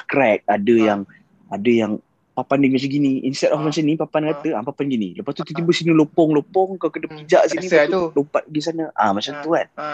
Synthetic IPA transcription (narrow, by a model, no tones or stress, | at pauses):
kɾɛk̚adəjaŋ | adəjaŋ | papandimasəɡiniʔinsɛt̪̚ɔfmasənipapankat̪əapapanɡinḭ̃ləpast̪ut̪ut̪̬ibəsinilopɔŋlopɔŋkalkədapid͡ʒaʔsiniat̪ulopat̪̚ɡis̬anəʔamat͡ʃamt̪uan